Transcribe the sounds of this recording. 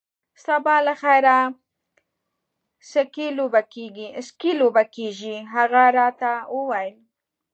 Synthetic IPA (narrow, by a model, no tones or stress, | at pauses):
st̪abɑlaxajɾa | səkilobakeɡiskilobakeʒiɦaɣaɾɑt̪awəwajl